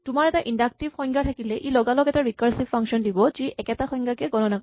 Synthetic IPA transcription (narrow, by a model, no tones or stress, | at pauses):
tumaɹɛtaʔindak̚tivxɔjŋɡatʰakilɛʔilɔɡalɔkɛtaɹikaɹsifaŋʃɔndibɔziʔɛkɛtaxɔjŋɡakɛɡɔnɔna